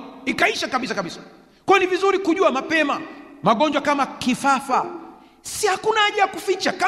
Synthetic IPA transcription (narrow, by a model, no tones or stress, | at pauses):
ikaiʃakaɓisakaɓisḁ | kwɔjɔnivizuɾikuʄuamapɛmamaɠɔɲd͡ʒwakamakifafa | sihakunaaʄajakufit͡ʃaka